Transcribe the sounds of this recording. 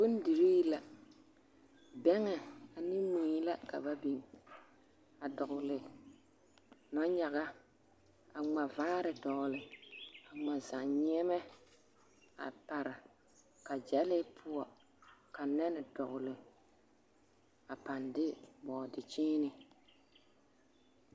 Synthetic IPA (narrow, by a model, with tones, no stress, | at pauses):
bu˦n˦di˨ɾi˦la˨ | bɛ˦ŋɛ˨a˨nɪ˦mĩ˨˦i˦la˦ka̰˨ba˦bi˨ŋ | a˨dɔ˨ɣʊ˨lɪ˨ | nɔ˦ɲa˨ɣa˦ | a˨ŋ͡ma˨vaː˦ɾɪ˨dɔ˨lɪ˨a˨ŋ͡ma˨za˨ŋɲi˦ɛ˦mɛ˦ | a̰˨pa˨ɾɪ˨ | ka˨d͡ʒɛ˦lɪ˦pʰʊ˦ɔ˨ | ka˨nɛ˦nɪ˨dɔ˨ʔʊ˨lɪ˨ | a˨pa˨ndɪ˦mɔː˨dɪ˨t͡ʃiː˦nɪ˨